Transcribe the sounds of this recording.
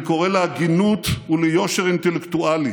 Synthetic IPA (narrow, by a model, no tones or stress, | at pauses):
ko̞ʁeleaɡinut̪ulejo̞ʃeʁint̪elekt̪uali